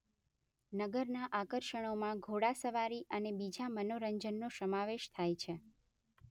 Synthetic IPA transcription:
nəɡəɾnaʔakəɾʃəɽ̃omãɡʱoɽasəʋaɾiʔənebid͡ʒamənoɾəɲd͡ʒənːosəmaʋeʃt̪ʰajt͡ʃʰe

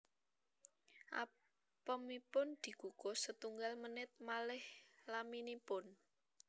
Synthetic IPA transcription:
ʔa̰ | pəmipʊnd̪̥i̤ɡ̥uɡ̥osət̪uŋɡalmənɪt̪̚malɪhlaminipʊn

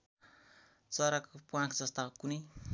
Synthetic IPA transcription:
t͡sʌɾakpuãkd͡zʌst̪akuni

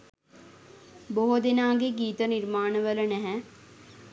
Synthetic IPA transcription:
boːod̪ɪnãːɡeɡiːt̪ənɪɾmaːɳʋələnɛɦɛ̃ː

